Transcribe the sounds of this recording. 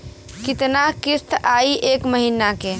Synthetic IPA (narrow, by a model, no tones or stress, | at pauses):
kɪt̪nakɪst̪ʰaːiʔeːkməɦiːnakeː